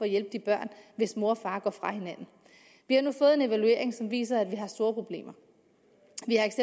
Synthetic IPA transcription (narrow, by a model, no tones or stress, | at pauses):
fɒ̽ːjelb̥əd̥ib̥ɶɐ̰nʋe̝smo̝ɐfɑ̈ːɡ̥ɒfʁɑ̈he̝næn̰n̩ | ʋihɑ̈nufɔ̽ːð̞̩ˠe̝ne̝ʋælue̝̰ɐ̰eŋsɒ̽mʋḭːs̬ɐæd̥ʋiɦɑ̈sd̥o̝ːɐpʰʁo̝b̥le̝̰ːmɐ | ʋihɑ̈eɡ̥se